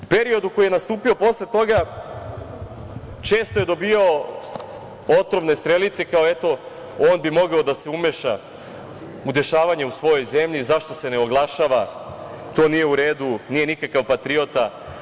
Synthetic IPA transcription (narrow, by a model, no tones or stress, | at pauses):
upe̞ɾio̞d̪uko̞jijenast̪uːpio̞po̞slˠet̪o̞ɡa | t͡ʃe̞ːst̪oje̞d̪o̞bio | ot̪ɾomne̞st̪ɾe̞lit̪sekaoe̞t̪o̞ | o̞ːnbimo̞ɡaod̪ase̞umeʃa | ud̪e̞ʃaːʋaɲeusʋo̞jo̞jze̞mʎizaʃt̪o̞se̞ne̞o̞ɡlˠaʃaʋa | t̪o̞ːnije̞uɾe̞ːd̪unije̞nikakaʋpat̪ɾio̞t̪a